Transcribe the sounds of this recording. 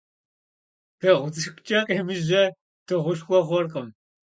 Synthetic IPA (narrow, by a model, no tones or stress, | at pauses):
pʰeːʁʷʊt͡sʼɨʃkʷt͡ʃʼɐqʼemɨʒɐ | tʰɨʁʷʊʃχʷɔχʷɔrqəm